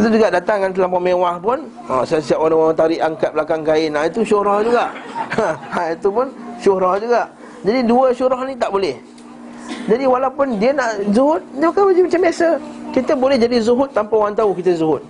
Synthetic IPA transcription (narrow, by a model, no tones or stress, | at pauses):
sit̪̬ud͡ʒuɡaʔdat̪aŋːant̪̬ilampɔmewahpʊn | ɔ̰sasiaʔwanawat̪aɾiʔaŋkat̪̚blakaŋkaɪnait̪uʃuɾɔhd͡ʒuɡaʔ | ait̪upʊnʃʊɾɔhd͡ʒuɡaʔ | d͡ʒadiduəʃuɾɔhnit̪aʔbolɛh | d͡ʒadiwalawpʊndiənaʔzuɦʊt̪̚diəpakabad͡ʒimat͡ʃambasəkit̪əbolɛhd͡ʒadizuɦʊt̪ːampawant̪aukit̪əzuɦʊt̪̚